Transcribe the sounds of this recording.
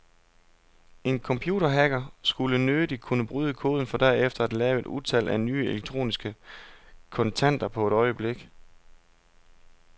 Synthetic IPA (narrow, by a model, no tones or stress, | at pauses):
e̝nkʰɒ̽mpʰjṵːɾɐɦæɡ̥ɐsɡ̥ulənød̥id̥̚kʰunəb̥ʁyːð̞ˠəkʰo̝ːð̞ˠn̩fɒ̽d̥æɐ̰efd̥ɐæd̥lɛːʊe̝d̥uðˠt͡sʰæl̰ʔæny̰ːeleɡ̥̚t͡sʰʁo̝̰ːnisɡ̥ə | kʰɒ̽nt͡sʰæn̰d̥ɐpʰɒ̽e̝ɾ̥ɒ̽ɪəb̥le̝ɡ̥